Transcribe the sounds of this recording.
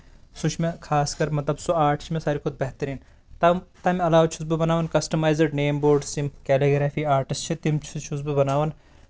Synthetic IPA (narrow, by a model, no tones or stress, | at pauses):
sut͡ʃʰmekʰaːskɐɾmɐt̪lɐbsoaːʈʰt͡ʃʰimẽsaːɾikʰʊd̪̚bɐɦt̪ɐɾiːn | t̪ɐt̪ɐmɐlaːʋt͡ʃʰus̬bɨbɐnaːʋɐnkɐsʈɐmaːjzɐɖneːmboːɾɖsimkɛːliɡɾaːfʰiːaːɾʈist͡ʃʰit̪imt͡ʃʰut͡ʃʰusbɨbɐnaːʋɐn